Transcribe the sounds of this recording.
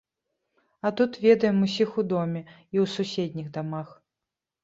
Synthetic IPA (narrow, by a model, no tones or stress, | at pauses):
at̪ut̪vʲɛd̪ɐjɛmus̬ʲixud̪ɔmʲɛ | iwsusʲɛd̪ʲnʲiɣd̪amax